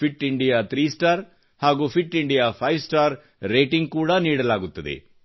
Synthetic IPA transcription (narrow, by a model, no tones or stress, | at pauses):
pʰiʈːiɳɖijaːt̪ʰɾiːsʈaːɾ | haːɡuːpʰiʈːiɳɖijaːpʰɐjʋsʈaːɾː | eːʈiŋɡ̚kuːɽaniːɽɐlaːɡut̪ːɐd̪ḛ